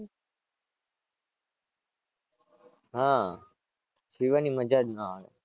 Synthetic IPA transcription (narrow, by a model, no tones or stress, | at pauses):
ɦã | t͡ʃʰiʋaniməd͡ʒad̪naaʋḛ